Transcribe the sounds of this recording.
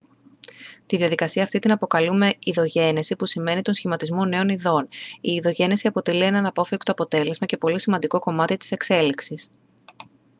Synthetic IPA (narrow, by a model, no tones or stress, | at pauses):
t̪iðiɐðikɐsiɐːft̪it̪inɐpo̞kɐlume̞iðo̞ʝe̞nesipusime̞nit̪o̞nsçimɐt̪izmo̞ne̞o̞niðo̞niːðo̞ʝe̞nesiɐpo̞t̪e̞lie̞nɐnɐpo̞fekt̪o̞ɐpo̞t̪e̞le̞zmɐce̞po̞lisimɐnd̪iko̞ko̞mɐt̪it̪i̥se̞kse̞liksis